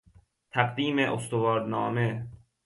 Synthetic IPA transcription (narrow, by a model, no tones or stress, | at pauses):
t̪ʰæɢd̪iːmeʔost̪ovɒːɾd̪nɒːme